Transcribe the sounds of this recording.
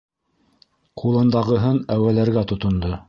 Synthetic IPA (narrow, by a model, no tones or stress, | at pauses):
qulˠɤ̆nd̪ɑʁɤ̆ɦɤnæwælæɾɡæt̪ŏt̪ŏnd̪ɤ